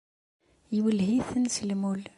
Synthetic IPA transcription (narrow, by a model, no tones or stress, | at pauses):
jiwəlhiθənsəlmul